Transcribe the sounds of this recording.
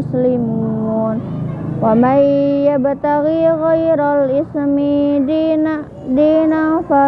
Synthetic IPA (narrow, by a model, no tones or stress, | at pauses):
slimunwamajjabat̪aɣiɣajɾalismi | n | dinafa